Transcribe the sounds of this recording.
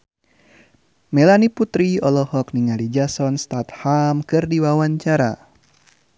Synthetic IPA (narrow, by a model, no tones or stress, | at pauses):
melaniput̪ɾiɔlɔhɔk̚niŋalid͡ʒasɔnst̪at̪hamkɨrdiwawaɲt͡ʃaɾa̰